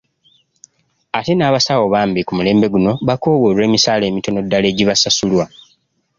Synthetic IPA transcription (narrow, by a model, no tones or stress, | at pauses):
ate̞naːβasawo̞βaːmbikumule̞ːmbe̞ɡuno̞βako̞ːwoɾe̞ːmisaːle̞ːmito̞no̞dːale̞ːɟiβasasulwa